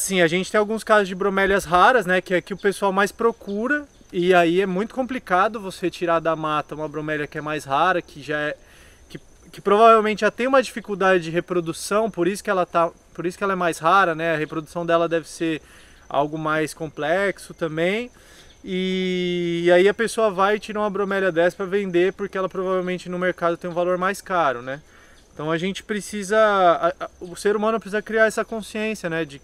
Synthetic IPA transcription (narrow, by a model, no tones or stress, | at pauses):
sĩɐʒẽnt͡ʃɪt̪ẽj̃awɡũskazʊzd͡ʒɪbɾõmɛlɐsɦaɾɐsnɛkɪɛkɪʊpesuawmajspɾokuɾɐ | ɪaiɛmũj̃t̪ʊ̥kõmplikad̪ʊvoset͡ʃiɾad̪ɐmat̪ɐũmɐbɾõmɛlʲjɐkɪɛmajsɦaɾɐkʰɪʒaɛ | kɪ | kɪpɾovavewmẽnt͡ʃɪʒat̪ẽj̃ũmɐd͡ʒifikuwd̪ad͡ʒɪd͡ʒɪɦepɾod̪usɐ̃w̃poɾisʊ̥kɪɛlɐt̪a | poɾisʊ̥kɪɛlɐɛmajshaɾɐnɛɐhepɾod̪usɐ̃w̃d̪ɛlɐd̪ɛvɪseɾ | a̰wɡʊmajskõplɛksʊt̪ɐ̃mbẽj̃ | ɪː | aiɐpesoɐvajɪt͡ʃiɾɐũmɐbɾomɛʎɐd̪ɛspɾɐvẽnd̪epʊɾkeɛlɐpɾovavewmẽnt͡ʃɪnʊ̃meɾkad̪ʊt̪ẽj̃ũvaloɾmajskaɾʊnɛ | ẽt̪ɐ̃w̃ɐʒẽnt͡ʃɪ̥pɾesizɐ | ʊseɾumɐ̃nʊpɾɪsizɐkɾiaɾɛsɐkõsiẽsjɐnɛd͡ʒɪ